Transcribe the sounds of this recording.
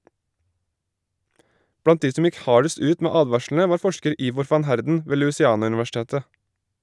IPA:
ˈbɽɑnt ˈdiː ˈsɔm ˈjɪk ˈhɑːɖəst ˈʉːt ˈmeː ˈɑːdʋɑʃln̩ə ˈʋɑːɾ ˈfɔʃkəɾ ˈiːʋɔɾ ˈfɑn ˈhæɾdn̩ ˈʋeː lʉːsɪˈɑːnʉnʋæˌʃteːtə

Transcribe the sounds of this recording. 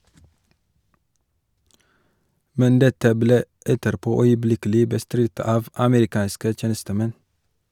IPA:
ˈmɛn ˈdɛtə ˈbleː ˈɛtəɾˌpoː œʏəˈblɪkəlɪ bəˈstɾɪt ˈɑːʋ ɑməɾɪˈkɑːnskə ˈtjeːnəstəˌmɛn

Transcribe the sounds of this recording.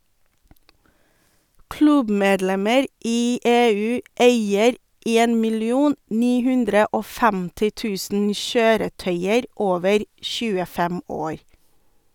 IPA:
ˈklʉbˌmeːdˌlɛməɾ ˈiː ˈeːˌʉː ˈeɪəɾ ˈeːn mɪlɪˈuːn ˈniː ˈhʉndɾə ˈoː ˈfɛmtɪ ˈtʉːsn̩ ˈʃøːɾəˌtœʏəɾ ˈoːʋəɾ ˈʃʉːəˌfɛm ˈoːɾ

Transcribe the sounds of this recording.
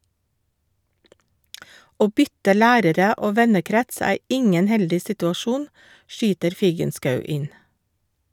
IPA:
ˈoː ˈbʏtə ˈlæːɾəɾə ˈoː ˈʋɛnəˌkɾɛts ˈæː ˈɪŋən ˈhɛldɪ sɪtʉɑˈʃuːn ˈʃyːtəɾ ˈfiːɡənˌskɑʉ ˈɪn

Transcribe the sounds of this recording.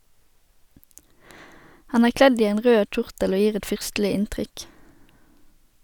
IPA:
ˈhɑn ˈæːʁ ˈklɛd ˈiː ˈeːn ˈʁøː ˈc͡çʊʁtəl ˈoː ˈjiːʁ ˈɛt ˈfʏʁstl̩ɪ ˈɪntʁʏk

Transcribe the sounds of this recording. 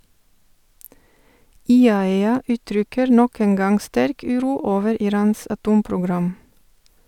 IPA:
ɪˈɑːɛɑ ˈʔʉːˌtɾʏkəɾ ˈnɔk ˈeːn ˈɡɑŋ ˈstæɾk ˈʉːˌɾuː ˈoːʋəɾ ɪˈɾɑːns ɑˈtuːmpɾʊˌɡɾɑm

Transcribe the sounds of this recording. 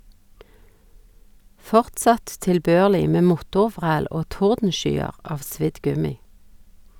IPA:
ˈfɔʁtˌsɑt tɪlˈbøːʁlɪ ˈmeː ˈmʊtʊˌʋʁæːl ˈoː ˈtʊʁdn̩ˌʃyːəʁ ˈɑʋ ˈsʋɪd ˈɡʉmɪ

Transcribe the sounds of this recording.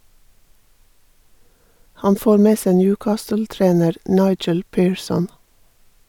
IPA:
ˈhɑn ˈfoːɾ ˈmeː ˈsæ ˈnjʉːˌkɑːstəl̩ˌtɾeːnəɾ ˈnɑɪd͡ʒəl ˈpiːɹˌsɔn

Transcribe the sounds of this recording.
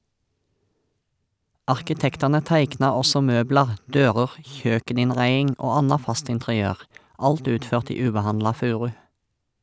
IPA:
ɑʁkɪˈtɛktɑnə ˈtæɪknɑ ˈɔsɔ ˈmøːblɑʁ ˈdøːʁəʁ ˈçøːkənɪnˌʁæɪɪŋ ˈoː ˈɑnɑ ˈfɑst ɪntʁɪˈøːʁ ˈɑlt ˈʉːtˌføːʁt ˈiː ˈʉːbəˌhɑnlɑ ˈfʉːʁʉ

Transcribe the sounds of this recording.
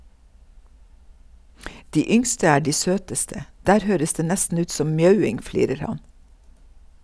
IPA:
ˈdiː ˈʏŋstə ˈæː ˈɖiː ˈsøːtəstə ˈdæːɾ ˈhøːɾəs ˈdeː ˈnɛstn̩ ˈʉːt ˈsɔm ˈmjœʉɪŋ ˈfliːɾəɾ ˈhɑn

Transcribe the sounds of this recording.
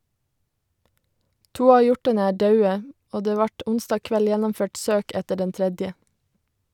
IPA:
ˈtuː ˈɑː ˈjɔʈɑnə ˈæː ˈdɑʉə ˈoː ˈdeː ˈʋɑʈ ˈʊnstɑː ˈkʋɛl ˈjɛnɔmˌføːʈ ˈsøːk ˈɛtə ˈɖɛn ˈtɾɛdjə

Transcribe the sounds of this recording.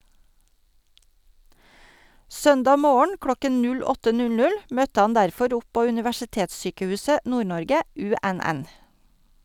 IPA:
ˈsœndɑː ˈmoːəɳ ˈklɔkən ˈnʉl ˈɔtə ˈnʉl ˈnʉl ˈmœtə ˈhɑn ˈdæɾfɔɾ ˈɔp ˈpoː ʉnɪʋæʃɪˈteːtsˌsyːkəˌhʉːsə ˈnuːˌɳɔɾɡə ˈʉˌæˌnæn

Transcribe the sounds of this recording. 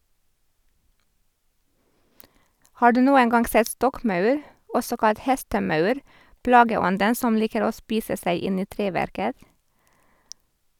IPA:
ˈhɑː ˈɖʉː ˈnuːəŋ ˈɡɑŋɡ ˈsɛt ˈstɔkˌmɑʉɾ ˈɔsɔ ˈkɑlt ˈhɛstəˌmɑʉɾ ˈplɑːɡəˌɔndən ˈsɔm ˈliːkəɾ ˈoː ˈspiːsə ˈsæɪ ˈɪn ˈiː ˈtɾeːˌʋæɾkət

